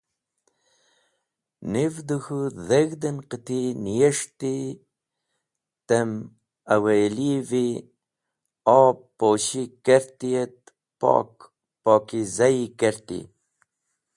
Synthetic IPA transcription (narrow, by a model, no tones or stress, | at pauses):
nivd̪uxuðəɣd̪ənqət̪inijeʂt̪i | t̪əm | awelivi | ɑː | oːɕikəɾt̪ijet̪̚ | pɑ̰ːk | poːkizaikəɾt̪ḭ